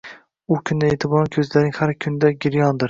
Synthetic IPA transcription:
ʊkʲʰʊnd̪aet̪ʰɪbɒnkʲʰɵzlaɾɪŋhaɾkʲʰʊnd̪aɡʲɪɾjɒnd̪ɪɾ

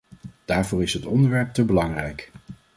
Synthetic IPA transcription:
d̥aːɹvʊːɹɪsɦətɔndəɹʋɛɹp̚təbəlɑŋrɛjk

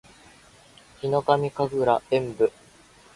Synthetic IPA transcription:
çʲino̞kamʲikaɡɯ̟ɾaẽ̞mbɯ̟

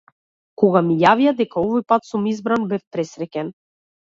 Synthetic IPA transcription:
kɔɡamijavijad̪ɛkaɔvɔjpat̪sumizbɾanbɛfpɾɛsɾɛcʲɛn

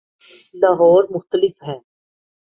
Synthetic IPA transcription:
laɦɔːɾmʊxt̪əlɪfɦɛː

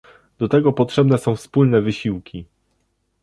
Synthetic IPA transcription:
d̪ɔt̪ɛɡɔpɔtʂɛbnɛsɔ̃w̃fspulnɛvɘɕiwkʲi

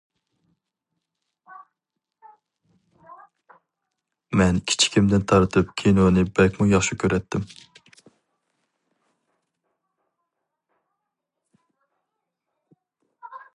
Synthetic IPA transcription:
mɛnkʲʰi̥t͡ʃʰi̥kʲʰimd̪ɪnt̪ʰɑɾɨt̪ʰɨp̚kʲʰejnonɨbɛlkʲmujɑχʃukʲʰøɾɛt̪ʰːɪm

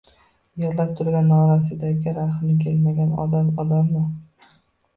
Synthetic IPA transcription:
jeɾlap̚t̪ʰʊɾɡʲanɒɾasɪd̪aɡʲɪɾaχnɪkʲʰe̞lmaɡʲanɒ̰d̪aɒd̪amnɪ

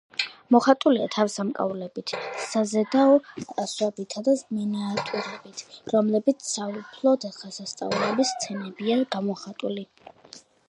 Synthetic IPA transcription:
mɔχat̪ʼuliat̪ʰafsamkʼa̰vlɛbit̪ʰsazɛd̪aɔaswɛbit̪ʰad̪azmɛnaːt̪ʼuɾɛbit̪ʰɾɔmlɛbit̪sʰsaupʰlˠɔd̪aχasast̪sʼa̰vlɛbist̪sʰɛnɛbiaɡamɔχat̪ʼuli

